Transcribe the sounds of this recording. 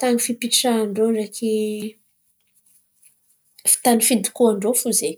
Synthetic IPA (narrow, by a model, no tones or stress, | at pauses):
t̪aŋifipiʈ͡ʂaːɳɖ͡ʐoɖ͡ʐekʰi | fi̥t̪anifind̪i̥kuaɳɖ͡ʐofuze